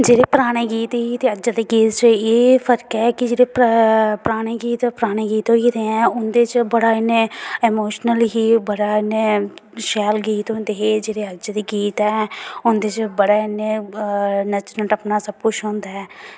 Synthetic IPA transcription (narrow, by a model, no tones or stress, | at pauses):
d͡ʒeːɾeːpɾaːɽ̃eːɡiːt̪ːɦiːt̪eːəd͡ʒad̪iːɡiːt̪t͡ʃəeːfʰəɾkɛːkɪd͡ʒeːɽeːpɾaːɽ̃eːɡiːt̪ɛːpɾaːɽ̃eːɡiːt̪oːɡiːt̪eɛ̃ːʊnd̪eːt͡ʃbəɽaːɪnːeemoːʃnəlɦiːbəɽaːɪneːʃɛːlɡiːt̪ond̪eɦed͡ʒeːɽeːəd͡ʒad̪iːɡiːt̪ɛːʊnd̪eːt͡ʃbəɽaːɪnːeː | nət͡ʃɾəʈəpnaːsəb̚kʊt͡ʃʰɦõːnd̪aːɛː